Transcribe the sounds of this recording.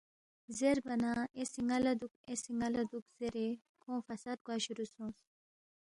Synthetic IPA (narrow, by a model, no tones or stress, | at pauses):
zeɾbɐnaːesiŋɡɐlɐd̪ukesiŋɡɐlɐd̪ukz̥eɾe | kʰõːfɐsat̪̚ɡwaɕuɾusõːs